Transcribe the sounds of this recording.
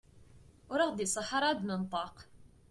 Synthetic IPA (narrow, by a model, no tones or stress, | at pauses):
ʊɾɑʁd̪isˤɑħɑɾˤɑd̪mənt̪ˤɑq